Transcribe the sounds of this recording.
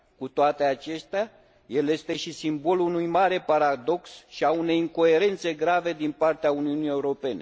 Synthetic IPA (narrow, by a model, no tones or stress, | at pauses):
kut̪oat̪e̞at͡ʃe̞st̪a | je̞lje̞st̪e̞ʃisimbo̞lunujmaɾe̞paɾad̪o̞ksʃiaune̞jiŋko̞e̞ɾe̞nt̪se̞ɡɾave̞d̪inpart̪eauniunije̞uɾo̞pe̞ne̞